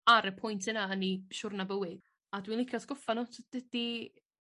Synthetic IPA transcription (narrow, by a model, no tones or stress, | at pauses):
aɾəpʰɔjntʰənaəniʃʊrnabəwɪ | adwinlˠɪkʰjɔsɡ̥ɔfanɔtʰdəd̥i